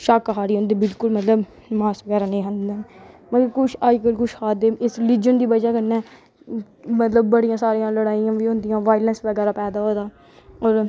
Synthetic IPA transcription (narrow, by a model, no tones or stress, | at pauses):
ʃakɦaːɾiːɦõːnd̪iːbɪlkʊlmət̪ləb | maːsʋəɡɛːɾaːnəĩːɦə̃nd̪aːməɡəkʊt͡ʃʰaːd͡ʒkəlkʊʃhaːd̪eːmɪsɾɪliːd͡ʒənd̪iːbəd͡ʒaːkənɛː | mət̪ləb̚ːəɽijãːsaːɾijãːləɽaːijãːʋiːɦõːnd̪ɪjãːʋaːɪlɛnsʋəɡɛːɾaːpɛːd̪aːɦoːd̪aː | ɔːɾ